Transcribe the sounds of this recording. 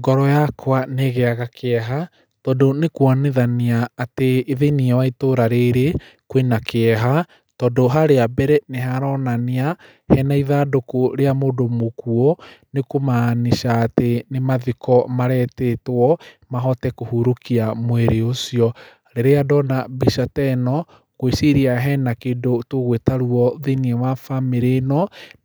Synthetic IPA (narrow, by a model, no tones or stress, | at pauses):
ɡɔɾɔjakoaneɣɛaɣakʰeɛɦa | tɔdonekwaneðaniaːteːðeniɛwaitoɾaɾeɾe | kwenakeɛɦa | tɔdoɦaɾeabɛɾɛneɦaɾɔnania | hɛnaiðaːdokoɾeamoːdomokuɔnekomaniʃaːtenemaðikɔmaɾɛtetwɔmaɦɔtɛkohuɾokiamweɾeosiɔ | ɾeɾeadɔnabiʃatɛnɔ | kwesiɾiaɦɛnakedotoɣwetaɾuɔðiniɛwafameɾenɔ